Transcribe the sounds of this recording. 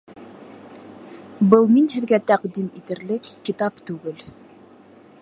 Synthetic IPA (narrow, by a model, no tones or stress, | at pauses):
bɤlˠminhɘ̆ðɡæt̪æqd̪imit̪ɘ̆ɾlɘkːit̪ɑpt̪ʉɡɘl